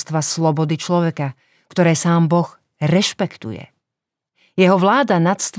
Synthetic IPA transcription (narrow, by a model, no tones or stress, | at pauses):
st̪ʋaslɔbɔd̪it͡ʃlɔʋɛka | kt̪ɔɾɛːsaːmbɔɣ | ɾɛʃpɛkt̪ṵjɛ̰ | jɛɦɔʋlaːd̪anat̪st̪